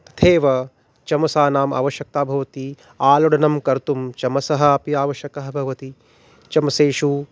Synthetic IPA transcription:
t̪ʰeːʋɐ | t͡ʃɐmɐsaːnaːma̰ʋɐʃjɐk̚t̪aːbʱɐʋɐt̪i | aːlɐɽɐnɐmkɐɾt̪umt͡ʃɐmɐsɐɦɐ̆pjaːʋɐʃjɐkɐɦɐbʱɐʋɐt̪i | t͡ʃɐmɐseːʃu

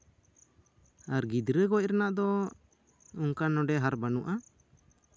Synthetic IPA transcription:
aɾɡid̪ɾəɡɔc̚ɾanaʔd̪ɔ | uŋkanɔɖɛɦaɾbanuʔa

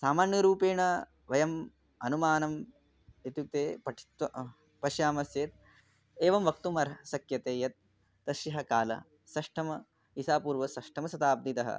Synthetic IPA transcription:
saːmaːɳjɐɾuːpeːɳɐ | ʋɐjɐm | ɐnumaːnɐm | it̪juk̚t̪eːpɐʈʰi̥t̪ʋɐ | pɐʃjaːmɐsjeːt̪ | eːʋɐmʋɐk̚t̪umɐɾsɐkjɐt̪eːjɐt̪̚ː | ɐʃɐɦɐkaːlɐ̰ | sɐʂʈʰɐmɐ | isaːpuːɾʋɐsɐʂʈʰɐmɐsɐt̪aːb̚d̪it̪ɐɦɐ̰

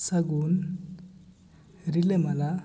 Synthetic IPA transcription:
saɡun | rilɛmala

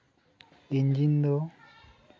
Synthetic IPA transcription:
iɲd͡ʒindo

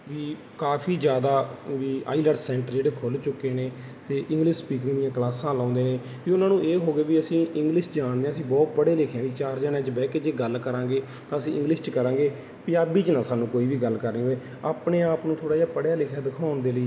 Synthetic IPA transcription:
ʋiː | kaːpʰiːd͡ʒjaːd̪aːʋiːa̰ːiləɖsɛ̃ːɳʈɾd͡ʒeːɽeːkʰʊlt͡ʃʊkeːneː | t̪eːʔɪ̃ŋɡlɪʃspiːkɾ̃ŋːd̪ijãːklaːsãːlãːnd̪eːneː | ʋiːʊnãːnũːʔeːɦoːɡeːʋiːəsĩːʔɪ̃ŋɡlɪʃd͡ʒaːɳd̪eːãːəsĩːbɔːt̪̚bəɽeːlɪkʰjãːd̪iːt͡ʃaːɾd͡ʒaːnɛ̃ːt͡ʃbɛːked͡ʒeːɡəlkəɾãːɡeː | t̪ãːəsĩːʔɪ̰̃ŋɡlɪʃt͡ʃkəɾãːɡeː | piːaːbiːt͡ʃnaːsaːnũːkoːiːʋiːɡəlkəɾniːɦoːeː | aːpneːaːpnũːt̪ʰoːɽaːd͡ʒaːpəɽjaːlɪkʰjaːd̪ɪkʰaːʊnd̪eːləiː

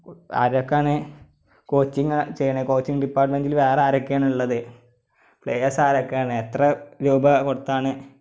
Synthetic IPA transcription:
ɐ̰ɾokːaːɳe | ko̞ːt͡ɕːiŋːt͡ɕejːɐɳeko̞ːt͡ɕːiŋɖipːaːrʈmendilʋeːreaːɾɐkːeːɳuɭːɐðɨ | pɭejɐsaːɾokːaːɳɨet̪rɐɾuːbɐkoɽut̪ːaːɳɨ

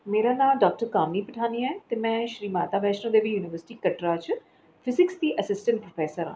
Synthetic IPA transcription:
meːɾaːnãːlɖɔːk̚ʈəɾkaːmiːpəʈʰaːniɛːt̪eːmɛ̃ːʃɾiːmaːt̪aːbɛːʃnə̃ːd̪eːʋijuːnɪʋəɾsɪ̥ʈiːkəʈɾaːt͡ʃ | pʰɪzɪksd̪iːʔəsɪsʈə̃ɳʈ̚pɾoːpʰɛːsəɾã̰ː

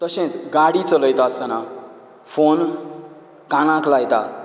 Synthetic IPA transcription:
t̪ʌsẽt͡sɡaɽit͡sʌlʌjt̪aːsʌna | pʰon | kanãklajt̪a̰

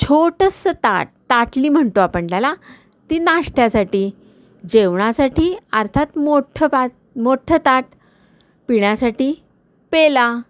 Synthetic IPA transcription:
t͡ɕʰoʈəsət̪a̰ʈ̚t̪aʈliːm̤əɳt̪oapəɳt̪ala | t̪inaʂʈjasaʈiː | d͡ʑeʋɳasaʈiːəɾt̪ʰat̪moʈʰəpa | moʈʰət̪aʈ | piɳjasaʈiː | pela

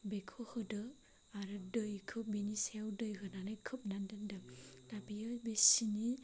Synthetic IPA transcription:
bekʰɯhɯdɯ | aɾɯdɯjkʰɯbinisewdɯjɦɯnanɯjkʰɯp̚nandɯndɯdabijɯbesini

